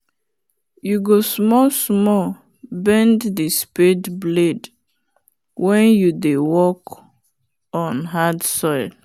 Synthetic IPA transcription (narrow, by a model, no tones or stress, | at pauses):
juɡosmɔsmɔ | bɛ̃nddispedbled | wɛ̃njudewɔk | ɔ̃nɦadsɔɪl